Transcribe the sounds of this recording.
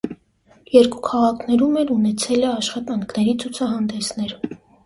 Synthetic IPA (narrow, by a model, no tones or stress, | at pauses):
jɛɾkukʰɑʁɑkʰnɛɾumɛɾunɛt͡sʰɛlɛɑʃχɑt̪ɑŋkʰnɛɾit͡sʰut͡sʰɑɦɑnd̪ɛsnɛɾ